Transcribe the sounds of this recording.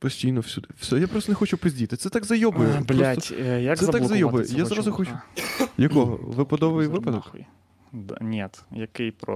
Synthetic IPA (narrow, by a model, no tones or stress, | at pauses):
pɔsʲtʲijnɔwsʲud̪ɪwsʲɔjapɾɔst̪nɛxɔt͡ʃʊpɔzʲdʲit̪ɪt̪sɛt̪aɡzɐjɔbɔjɛblʲɔaɔjak̪sɛɐt̪alɡˠzɐjɔbɔjɛ̰jjazɾazʊxɔt͡ʃʊjɐkɔɦɔ̰ʋɪpɐd̪ɔʋɪjjʋʋɪpɐd̪ɔk | d̪a̰nʲɛt̪jɐkɪjpɾɔ̰